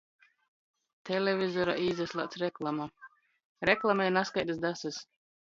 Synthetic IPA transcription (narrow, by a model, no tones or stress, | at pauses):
t̪ʰɛlʲɛvʲizɔɾa̰ʔizɛslˠa̰ːt̪sɾɛklˠama | ɾɛklˠamɛjnaskajt̪ɨsd̪asɨs